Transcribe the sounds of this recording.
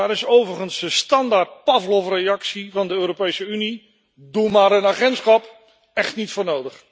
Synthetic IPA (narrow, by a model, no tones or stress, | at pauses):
aːɾɪsowvərχənsdəstɑndaːɹt̚pɑvlɔfrejɑksivɑndəøːɾopejsəyni | dumaːɾənaːχɛntsχɑp | ɛχtnitfʊːɹnowdəχ